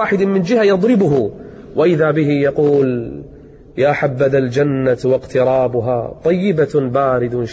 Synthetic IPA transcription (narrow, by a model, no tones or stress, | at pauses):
aːħɪd̪mɪnd͡ʒɪhajɑd̪ˤɾɪbʊɦʊ | waʔɪðabɪɦɪjɑquːl | jaːħabːad̪ald͡ʒanːawɑqt̪ɪɾˤɑːbʊɦat̪ˤːɑjːɪbabaːɾɪd̪ʃ